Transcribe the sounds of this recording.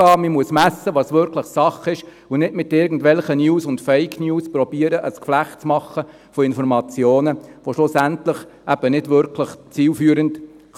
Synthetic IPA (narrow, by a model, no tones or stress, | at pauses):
ɑːmimuəsmæsːəʋɑsʋʏɾkʰləχsɑχɪʃ | ʊnɪdmɪtɪɾɡn̩dvɛlχənjuːsʊntfɛɪkʰnjuːspɾɔbiːəɾəʔəskflæχtt͡smɑχə | fɔɪnfɔɾmɑt͡sjoːnəʋoʃlʊsæntləχʔæb̥ənɪdvʏɾkʰləχt͡siːlfyːəɾənt